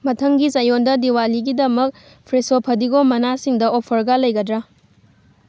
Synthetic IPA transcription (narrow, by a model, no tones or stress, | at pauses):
mɐtʰɐŋɡisɐjondɐdiwaliɡidɐmɐk̚ | pʰɾesopʰɐdiɡomɐnasiŋdɐʔopʰɐɾɡɐlɐjɡɐdɾɐ